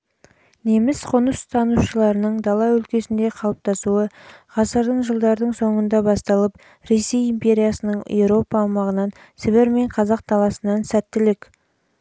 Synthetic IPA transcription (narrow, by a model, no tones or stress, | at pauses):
ne̞mɪsqʰʊnəst̪ʰɑnuʃəlˠɑɾənəɴd̪ɑlˠɑwɵlkʲe̞sɪnd̪e̞qʰɑlˠəp̚t̪ɑsuəʁɑsəɾd̪əɴʒəlˠd̪ɑɾd̪əɴso̞ɴənd̪ɑbɑst̪ɑlˠəp | ɾe̞se̞jimpʲe̞ɾʲijɑsənəɴḛwɾo̞pɑːwmɑʁənɑn | sɪβeɾme̞ɴqʰɑzɑq̚d̪̥ɑlˠɑsənɑnsæt̪ːɪlɪkʲ